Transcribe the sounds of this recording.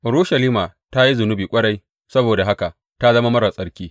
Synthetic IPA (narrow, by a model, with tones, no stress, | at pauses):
ɾoː˦ʃɐ˨liː˦ma˨ta˦ji˦zʊ˨nʊ˦biː˨kʷʼɐ˦ɽa˦j | sɐ˦boː˨da˨ɦa˦ka˨ʔ | ta˦zɐ˦ma˦mɐ˦ɽa˨sʼɐ˦ɽkʲiː˦